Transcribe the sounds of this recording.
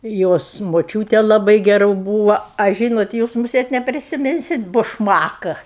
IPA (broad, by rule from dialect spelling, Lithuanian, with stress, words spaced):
ˈjoːs moːˈt͡ʃʲuːtʲeː lˠɐˈbɐɪ ɡʲɛˈrʊ ˈbuːʋɐ ɐ ˈʒʲiːnoːt ˈjuːs mʊˈsʲeːt nʲɛpʲrʲɪsʲɪˈmʲɪnʲsʲɪt bʊʃˈmɑːkɐ